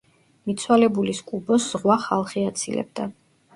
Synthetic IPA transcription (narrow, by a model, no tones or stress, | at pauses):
mit̪sʰwalɛbuliskʼubɔsz̥ʁwaχa̰lˠχiat̪sʰilɛ̰b̚d̪a